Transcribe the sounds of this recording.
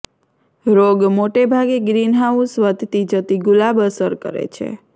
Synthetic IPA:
ɾoɡmoʈebʱaɡeɡɾinɦausʋət̪t̪id͡ʒət̪iɡulabəsəɾkə̰ɾḛt͡ʃʰḛ

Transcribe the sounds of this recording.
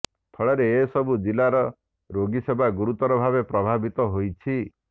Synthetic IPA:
t̪ʰɔɭeɾeesɔbʱud͡ʒilaɾɔ | ɾoɡisebaɡuɾut̪ɔɾɔbʱabepɾɔbʱabit̪ɔɦojt͡ʃʰi

